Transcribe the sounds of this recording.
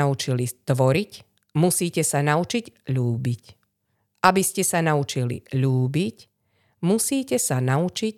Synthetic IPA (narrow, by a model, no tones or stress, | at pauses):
aut͡ʃilit̪ʋɔɾic | musiːcɛsanaut͡ʃiɟʎuːbic | ʔabiscɛsanaut͡ʃilḭʎuːbic | musiːcɛsanaut͡ʃic